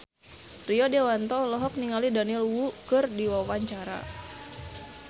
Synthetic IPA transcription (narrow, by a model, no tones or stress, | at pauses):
riɔdewant̪ɔlɔɦɔk̚niŋalidanilwukɨrdiwawaɲt͡ʃaɾa̰